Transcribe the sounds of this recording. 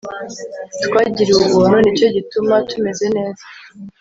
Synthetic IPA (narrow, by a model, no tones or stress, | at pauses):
tkwaːɟiɾeuβuːnhunit͡ʃo̞ɟitumatume̞ze̞ne̞ːza